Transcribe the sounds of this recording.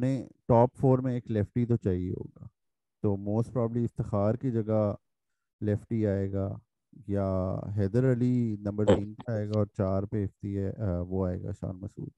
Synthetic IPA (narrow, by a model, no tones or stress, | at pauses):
nẽʈɔːpfoːɾmẽeːklɛːfʈit̪̬ot͡ʃaːɦiḛɦo̰ːɡaː | t̪oːmoːsʈpɾɔːbəbliɪft̪ɪxaːɾkid͡ʒɐɡa | lɛːfʈiaːeːɡaː | jaːɦɛːd̪əɾɐlinɐ̃mbəɾt̪ĩːnpeaːeːɡaɔːɾt͡ʃaːɾpeɦɪft̪iɦɛʋoaːḛːɡa̰ːʃa̰ːnmɐsṵːl